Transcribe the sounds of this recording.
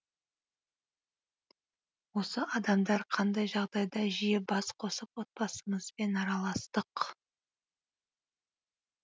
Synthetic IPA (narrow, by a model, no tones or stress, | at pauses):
wo̞səʔɑd̪ɑmd̪ɑɾqʰɑnd̪ɑjʒɑʁd̪ɑjd̪ɑʒijebɑsqʰo̞səpwo̞t̪̚pɑsəməzbe̞nɑɾɑlˠɑst̪əq